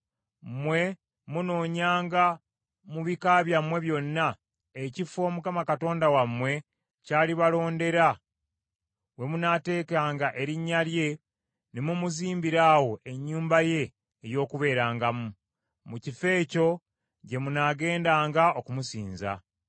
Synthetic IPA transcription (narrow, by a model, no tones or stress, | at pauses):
mwe̞ | munoːɲaːŋɡa | muβikaβjamwe̞βjo̞nːa | ecifo̞ːmukamakato̞ːndawamwe̞ | caːliβalo̞ːnde̞ɾa | we̞munaːte̞ːkaːŋɡaʔe̞ɾiɲːalje̞ | nemumuziːmbiɾaːwo̞ʔe̞ɲːuːmbaje̞ː | jo̞ːkuβe̞ːɾaːŋɡamu | mucife̞ːco̞ | ɟe̞munaːɡe̞ːndaːŋɡao̞kumusḭːnza̰